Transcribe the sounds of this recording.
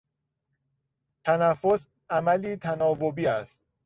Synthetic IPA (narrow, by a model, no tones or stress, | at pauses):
t̪ʰænæfːo̞s | ʔæmæliːt̪ʰænɒːvobiːæst̪̚